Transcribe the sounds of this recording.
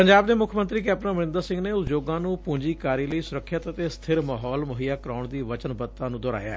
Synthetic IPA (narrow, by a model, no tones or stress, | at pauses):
pəɲd͡ʒaːbd̪eːmʊkʰmənt̪ɾiːk̬ɛːpnə̃məɾɪ̃nd̪əɾsɪ̃ŋɡneːʊt̪d͡ʒoːɡãːnũːpũːɲd͡ʒiːkaːɾiːləiːsʊɾəkʰːət̪ət̪eːst̪ʰɪɾmaːɦɔːlmʊɦijaːkəɾaːʊɳd̪iːʋət͡ʃənbət̪ːãːnũːd̪ɔːɾa̰ːja̰ːɛ̰ː